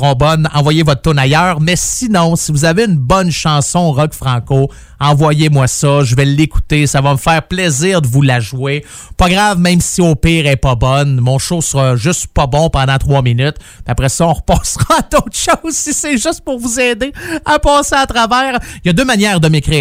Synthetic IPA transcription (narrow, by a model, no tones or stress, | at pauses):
ʁɔ̃bɔnɑ̰̃vwajevɔt̪t̪ːʊnajœːʁmɛsinɔ̃sivuzaveynbɔnʃɑ̃sɔ̃ʁɔkfʁɑ̃ːko | ɑ̃vwajemwasʌʒəvɛlːeku̥t̪esavʌməfɛːʁplɛziːʁd̪əvulaʒwe | pɑɡʁavmɛ̃ɪmsiopiːʁɛpɑbɔnmɔ̃ʃosəʁɑʒʏst̪pɑbɔ̃pɑ̃d̪ɑ̃t̪ʁwɑminyt̪ | mɛapʁɛsɔɔ̃ʁpɑːsʁɑad̪oʊt̪ʃɔʊzsisɛʒʏst̪̚pʊʁvuzɛːd̪eapɑːseat̪ʁavɛːʁjɑd̪øːmanjɛːʁd̪əmekʁiː